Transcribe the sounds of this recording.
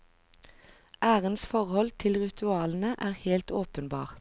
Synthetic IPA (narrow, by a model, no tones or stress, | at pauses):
ʔæːʁənsfɔʁhɔlt̪ʰɪlʁɪt̪ʰʉɑːln̩əʔæːʁheːlt̪oːpənbɑ̰ːʁ